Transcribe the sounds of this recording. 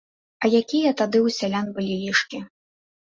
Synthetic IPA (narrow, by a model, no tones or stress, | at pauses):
ɐjakʲijɐt̪ad̪ɨwsʲalʲanbɨlʲilʲiʂkʲi